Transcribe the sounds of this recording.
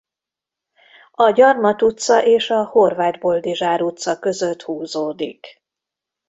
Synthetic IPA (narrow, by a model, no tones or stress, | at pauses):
ɒɟɒrmɒt̪ut̪sɒʔeːʃɒho̞rvaːd̪bo̞ld̪iʒaːɾut̪sɒkø̞zøt̪huːzoːd̪ḭk